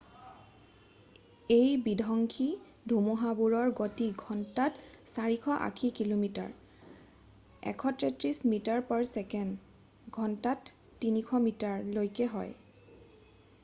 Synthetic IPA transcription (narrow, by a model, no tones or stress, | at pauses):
ejbidʱɔŋkʰi | dʱumuɦabuɹɔɹɡotiɡʱɔntatsaɹikʰɔʔa̰kʰikilomita̰ɹ | ɛ̰kʰɔtɹɛtɹismitaɹpɔɹsɛkɛn | ɡʱɔntatː | inikʰɔmitaɹlojkɛɦɔj